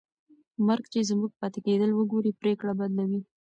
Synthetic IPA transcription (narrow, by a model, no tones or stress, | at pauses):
maɾɡt͡ʃezmuɡ̚pɑt̪ɪked̪əlwəɡoɾipɾekɽabad̪lawi